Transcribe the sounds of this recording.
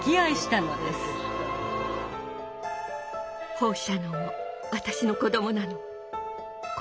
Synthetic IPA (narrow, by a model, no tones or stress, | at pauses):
kʲiaiɕi̥t̪ano̞d̪esɨ̥ | ho̞ːɕano | βat̪aɕino̞ko̞d̪o̞mo̞nano